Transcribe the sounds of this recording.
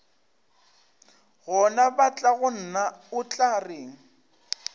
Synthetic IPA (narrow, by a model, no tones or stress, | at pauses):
ɣɔnabat͡ɬʼaɣʊn̩naʊt͡ɬʼarɪŋ̩